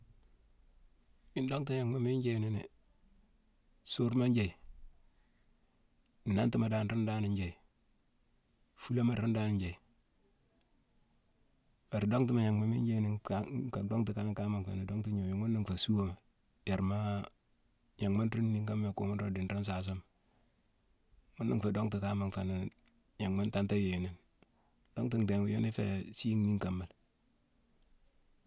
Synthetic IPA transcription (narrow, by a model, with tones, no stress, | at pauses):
mi˨ndo˦ŋti˦ja˨ŋma˨mi˦ɲd͡ʒe˦˨ni˦ne˨ | so˦ɾma˦nd͡ʒe˨i˨ | ni˨na˦nti˦ma˨da˦n˨ɾi˦nda˦ni˨ɲd͡ʒe˨i˨ | fu˦la˦ma˨ɾi˦nda˦ni˨ɲd͡ʒe˨ | a˨ɾdo˦ŋt̬i˦ma˨ɲa˨ŋma˨mi˦d͡ʒe˦˨ni˨˦ka˨do˦ŋti˨ka˦ŋ˦ka˦ma˨ŋka̰˨ni˨do˦ŋti˦ɲo˨je˨ŋmo˦nːi˦ŋfa˨su˦wo˦ma˨ | je˨ɾma˦ | ja˨ŋma˦nɾu˦nni˦ŋka˦m˦a˨ko̰˨mu˦nɾo˦di˨nɾa˦ns̬a˨s̬o˦m | mu˦nːḭ˦ŋfe˨do˦ŋti˨ka˦ma˨ŋfa˨na˨ | ja˨ŋma˦nta˦nta˦je˨ni˨n | d̥o˦ŋti˦˨ŋde˨ŋku˨jo˦ni˦fḛ˨si˦ŋni˦ŋka˨mːa˨l